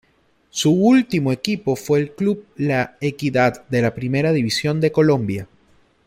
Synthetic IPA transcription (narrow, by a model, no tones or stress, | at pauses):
suult̪imoe̞kipo̞fwe̞ːlklub̚laekiðad̪̚d̪e̞lapɾime̞ɾaðiβisjo̞nd̪e̞ko̞lõ̞mbja